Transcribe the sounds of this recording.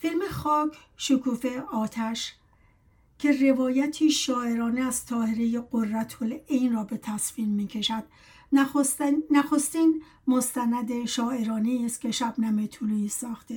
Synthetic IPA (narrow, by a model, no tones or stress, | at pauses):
filme̞xɒːkʰ | ʃokʰuːfe̞ɒːt̪ʰæʃ | kʰe̞re̞vɒːjæt̪ʰiːʃɒːe̞ɾɒːneæz̥t̪ʰɒːhe̞ɾeje̞ɡorːæt̪ʰolejnrɒːbe̞t̪ʰæsfiːmːiːcʰe̞ʃæd̪̥̚ | onːæxost̪iːn | most̪ænæd̪eʃɒːe̞ɾɒːneist̪̚kʲʰe̞ʃæbnæmet̪ʰulisɒːxt̪e